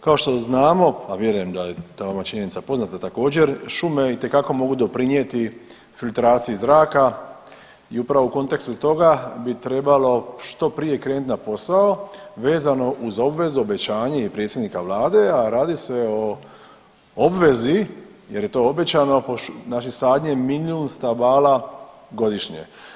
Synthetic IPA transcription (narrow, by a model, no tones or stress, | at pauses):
kao̞ʃt̪o̞znaːmo̞paʋje̞ɾuje̞md̪ajet̪aːʋamat͡ʃiɲe̞nit̪sapo̞znat̪at̪ako̞ːd͡ʑe̞ɾʃumeit̪e̞kako̞mo̞ɡud̪o̞pɾiɲjet̪i | filt̪ɾaːt̪siizɾaːka | iupɾaʋouko̞nt̪e̞kst̪ut̪o̞ɡabit̪ɾe̞balo̞ʃt̪o̞pɾije̞kɾe̞ːnut̪napo̞saoʋe̞ːzano̞ʔuzo̞bʋe̞zuo̞be̞t͡ɕaːɲeipɾe̞t̪sʲjed̪nikaʋlaːd̪e̞aɾaːd̪ise̞o | obʋe̞zi | je̞ɾje̞t̪o̞o̞be̞t͡ɕano̞ponat͡ʃisaːd̪ɲemiliunst̪abaːla | ɡo̞d̪iʃɲḛ